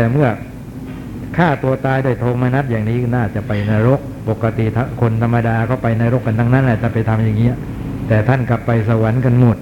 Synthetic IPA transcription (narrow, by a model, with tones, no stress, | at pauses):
t̪ɛː˨˩mɯ˥˩ɐ | kʰaː˥˩t̪u˧ɐt̪aː˧jduː˥˩əjt̪ʰoː˧mːaː˧na˦˥t̪̚jaː˨˩ŋniː˦˥naː˥˩t͡ɕa˨˩pa˧jnaː˧ɾo˦˥k̚po˨˩kːa˧t̪i˨˩t̪ʰkʰo˧nt̪ʰa˧mːa˧daː˧kʰɔ˥˩wpa˧jnaː˧ɾo˦˥kːa˧nt̪ʰa˦˥ŋna˦˥nʔaː˨˩t͡ɕa˨˩pa˧jt̪ʰa˧mjaː˨˩ŋːiː˦˥ | t̪ɛː˨˩t̪ʰa˥˩nka˨˩pːa˧jsa˧wa˩˦nka˧nmo˨˩t̪̚